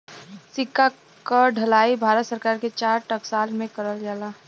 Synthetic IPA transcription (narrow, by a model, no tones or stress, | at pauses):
sɪkːa | kəɖʱɐlaːibʱaːɾət̪səɾkaːɾket͡ʃaːɾʈəksaːlmẽkəɾəld͡ʒaːlaː